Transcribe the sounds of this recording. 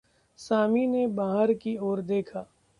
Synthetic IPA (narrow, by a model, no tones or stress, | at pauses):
saːminebaːɦəɾkioːɾd̪eːkʰaː